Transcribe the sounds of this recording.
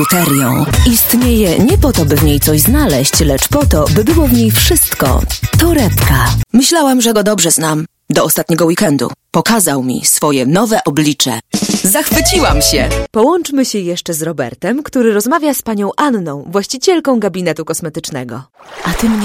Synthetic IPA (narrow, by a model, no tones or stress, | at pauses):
ut̪ɛɾʲjɔ̰̃w̃ist̪ɲejɛɲɛpɔt̪ɔbɘvɲejt̪sɔʑznalɛɕt͡ɕlɛt͡ʂpɔt̪ɔbɘbɘwɔvɲejfʂɘst̪kɔ̰t̪ɔɾɛpkamɘɕlawamʐɛɡɔd̪ɔbʐɛznam | d̪ɔɔst̪at̪ɲɛɡɔwikɛnd̪ṵpɔkazawmʲḭsfɔjɛnɔvɛʔɔblʲit͡ʂɛ̰zaxfɘt͡ɕiwamɕɛ̰pɔwɔnt͡ʂmɘɕɛjɛʂt͡ʂɛzɾɔbɛ̰ɾt̪ɛmkt̪uɾɘɾɔzmavʲjaspaɲɔ̃w̃ʔanːɔ̃w̃vwaɕt͡ɕit͡ɕɛlkɔ̃w̃ɡabʲinɛt̪ukɔsmɛt̪ɘt͡ʂnɛɡɔʔat̪ɨmɲ